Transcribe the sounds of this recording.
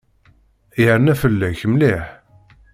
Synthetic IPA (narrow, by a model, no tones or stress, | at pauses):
jəɾnæfəlːæçəmliħ